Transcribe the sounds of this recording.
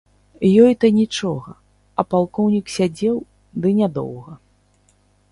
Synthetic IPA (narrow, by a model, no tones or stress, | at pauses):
jɔjt̪ɐnʲit͡ʂɔɣɐ | ɐpalˠkɔwnʲiksʲad͡zʲɛw | d̪ɨnʲad̪ɔ̰wɣɐ